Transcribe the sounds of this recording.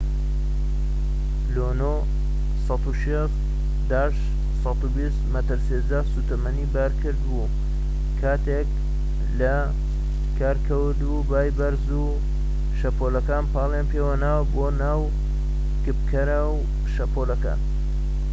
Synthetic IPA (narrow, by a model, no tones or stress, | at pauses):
lono | sɑt̪uʃes | d̪aːʃ | sˤɑt̪ubist̪mɐt̪ɨɾsezasut̪ɐmɐnibaːɾkʰɨɾd̪bu | kʰaːt̪ek | lɐ | kʰaːɾkʰɐwd̪ubaːjbɐɾzu | ʃɐpʰolɐkaːnpɑːlˠjaːnpewɐnaːwboːnaːw | kɨp̚kʰɐɾaw | ʃɐpoːlɐka̰ːn